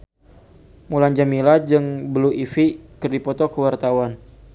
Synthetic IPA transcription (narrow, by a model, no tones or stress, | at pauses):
muland͡ʒamilad͡ʒɨŋbəluʔifikərdipɔt̪ɔkəwart̪awan